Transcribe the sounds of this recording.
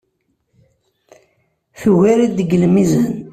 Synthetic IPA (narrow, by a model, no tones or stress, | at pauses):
θuwiɾid̪əɡəlmizən